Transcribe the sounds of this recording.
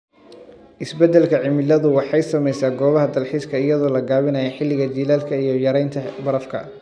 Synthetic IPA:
ʔɪsbɛd̪ɛlkʰɐʕɪmɪlɐðʊwɑħɑjsɐmɛjsaːɡɔːβɐɦɐd̪ɐlħiːskʰɐɪjɐðɔːlɐɡaːβɪnɐjɐħɪlːɪɣɐd͡ʒiːlaːlkʰɐijɞjɐɾɛjnt̪ʰɐbɐɾɐfkʰɐ̰

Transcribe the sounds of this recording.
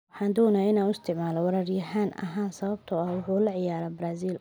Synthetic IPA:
wɑħɑːnd̪ɔːnaɪnaːnʊst̪ʰɪʕmaːlɔwɐɾɐrjɐɦaːnɐ̰ɦaːnsɐβɐb̚t̪ʰʊɐhwʊħuːlɐʕɪjaːɾɐbɾaːsiːl

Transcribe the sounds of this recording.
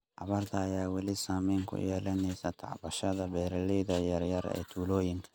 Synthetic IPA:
ʔɑ̰βɐrt̪ʰɐːjaːwɑlɪsaːmɛːŋkʰʊ̰jɛːlɐnɛjsɐt̪ʰɑ̰ʕbɐʃɐðɐbɛːɾɐlɛjðɐjɐrjɐrɛ̰ːt̪ʰuːlɔːjɪŋkʰɐ̥

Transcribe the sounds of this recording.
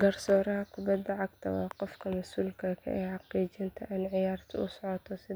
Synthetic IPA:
ɡɐrsɔːɾɐɦɐkʰʊbɐd̪ːɐʕɑɡ̚t̪ʰɐwɑ̰ːqɔfkʰɐmɐsuːlkʰɐkʰɐ̰ʔɛjħɑqiːt͡ʃɪnt̪ʰɐʔɪnʕɪjaːrt̪ʰɐʊsɔʕɔt̪ʰɔsɪ

